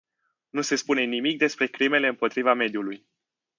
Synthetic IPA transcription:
nuse̞spune̞nimik̚d̪e̞spɾe̞kɾime̞le̞ɨmpo̞t̪ɾivame̞d̪juluj

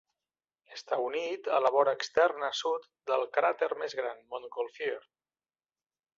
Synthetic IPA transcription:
əst̪aunit̪ələβɔɾəːkst̪ɛrnəsut̪ | d̪əlˠkɾat̪əɾmezɣɾanmonkolfieɾ

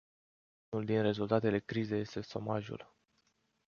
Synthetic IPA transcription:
unuld̪inre̞zult̪at̪e̞le̞kɾize̞je̞st̪e̞so̞̰maʒṵl

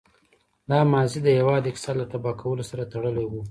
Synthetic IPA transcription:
lɑmɑzid̪əjawɑd̪ɪksɑlːat̪abɑkʰawəlosaɾat̪aɽəlewu

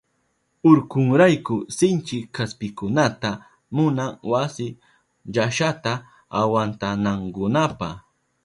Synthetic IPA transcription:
ʊɾkʊŋɾajkʊsɪnt͡ʃɪkːaspɪkʊnat̪a | mʊnaŋwasɪ | ʎaʃat̪a | awant̪anaŋkʊnapah

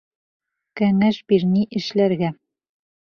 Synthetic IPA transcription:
kæŋæʃbiɾniʔɘ̆ʃlæɾɡæ

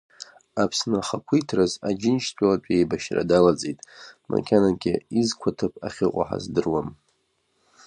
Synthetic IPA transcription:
apʰsnɨaχakʷʰijtʰrazad͡ʒɪnt͡ʃʰt͡sʷʼalat͡ʃʷʼejbaʃra̰dalat͡sʼejtʼma̰kʲʰanankʲɪizkʷʰatʰɨpʰa̰χʲɪqʷʼa̰ħa̰zdɨrwam

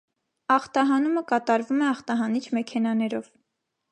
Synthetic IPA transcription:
ɑχt̪ɑɦɑnuməkɑt̪ɑɾvumɛɑχt̪ɑɦɑnit͡ʃʰmɛkʰɛnɑnɛɾɔv

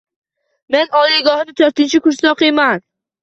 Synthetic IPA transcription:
me̞nɒlɪɡɒhnɪt̪ʰoɾt̪ɪnt͡ʃʰɪkʊɾslɒqeman

